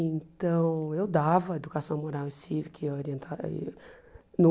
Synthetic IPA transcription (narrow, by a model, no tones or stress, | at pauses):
ẽnt̪ɐ̃w̃ewd̪avɐed̪ukasɐ̃w̃moɾawĩsivikoɾiẽnt̪ʰa̰ | nʊ